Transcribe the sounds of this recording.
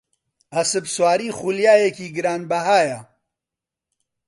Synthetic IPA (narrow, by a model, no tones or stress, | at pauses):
ɐsɨbswaːɾiːχuljaːjekiːɡɨɾaːnbɐɦaːjɐ